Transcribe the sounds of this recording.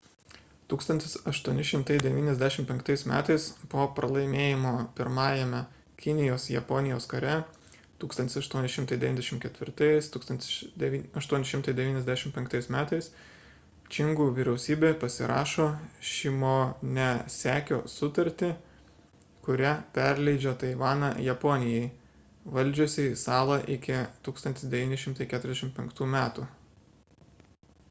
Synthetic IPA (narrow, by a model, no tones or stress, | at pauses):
t̪uːkst̪ɐnʲt̪ʲɪsɐʃt̪uɔnʲɪʃʲɪmt̪ɐɪd̪ʲɛʋʲiːnʲɛzʲd̪ʲæʃʲɪmpʲɛŋkt̪ɐɪsmʲæ̰ːt̪ɐɪspoːpɾɐlˠɐɪmʲeːjɪmoːpʲɪɾmɑːjɛmʲɛ | kʲɪnʲɪjoːsjɛpɔnʲɪjoːskɐɾʲɛ | t̪uːkst̪ɐnt̪ʲɪsɐʃt̪uɔnʲɪʃʲɪmt̪ɐɪd̪ʲɛʋʲinʲd̪ʲɛʃʲɪmkʲɛt̪ʲʋʲɪɾt̪ɐɪst̪uːkst̪ɐnt̪ʲɪ̥sd̪ʲɛɐʃt̪uɔnʲɪʃʲɪmt̪ɐɪd̪ʲɛʋʲiːnʲɛzd̪ʲæʃʲɪmpʲɛŋkt̪ɐɪsmʲæːt̪ɐɪs | t͡ʃʲɪŋɡuːʋʲiːɾʲɛʊsʲiːbʲeːpɐsʲɪɾʔɑ̰ːʃoːʃʲɪmoːnʲɛsʲæːkʲo̰ːsʊt̪ɐɾʲt̪ʲɪ | kʊɾʲæpʲɛɾʲlʲɛɪd͡ʒʲoːt̪ɐɪʋɑːnɑjɛpɔːnʲɪjɛɪ | ʋɐlʲd͡ʒʲʊːsʲɪisɑːlˠɐʔɪkʲɪt̪uːkst̪ɐnt̪ʲɪsd̪ʲɛʋʲiːnʲɪʃʲɪmt̪ɐɪkʲæːt̪ɾʲɛzʲɛʃʲɪmpʲɛŋkt̪uːmʲæːt̪uː